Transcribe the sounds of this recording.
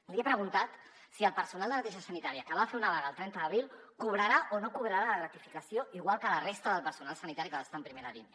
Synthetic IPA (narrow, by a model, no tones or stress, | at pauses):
liepɾəɣunt̪at̪ | siəlˠpəɾsunalˠd̪ənət̪eʒəsənit̪aɾiəkəβafeunaβaɣəːlˠt̪ɾɛnt̪əðəβɾilˠkuβ̞ɾəɾaʔonokuβɾəɾaləɣət̪ifikəsioiɣwalˠkələrest̪əðəlˠpəɾsunalˠsənit̪aɾikəəst̪ampɾimeɾaɾḭn